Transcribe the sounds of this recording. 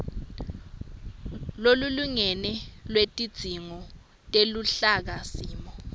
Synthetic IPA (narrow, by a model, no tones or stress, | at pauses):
loluluŋɛnɛlwetʼid̥z̥ʱiŋɔ | tʼeluɬak̬asiːmɔ